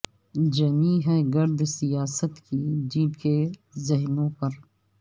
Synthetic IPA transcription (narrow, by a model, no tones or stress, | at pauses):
d͡ʒɐniːɦɛːɡɐɾd̪sijaːsət̪kid͡ʒiːbkezɐɦnõːpɐɾ